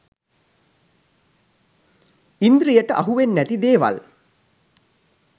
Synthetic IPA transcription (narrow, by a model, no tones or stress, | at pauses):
ind̪ɾijəʈəʔɐɦuʋenːæt̪id̪eːʋɐ̰l